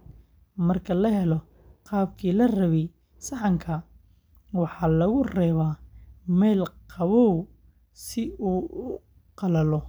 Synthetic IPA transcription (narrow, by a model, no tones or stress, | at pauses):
mɐrkʰɐlɐɦɛlɔ | qɑːbkʰiːlɐrɐβɛj | sɐħɑŋkʰɐ | wɑħɑːlɐɣʊrɛːβaːmɛːlqɑβɔw | sɪuːʊ | qɑlɐlɔ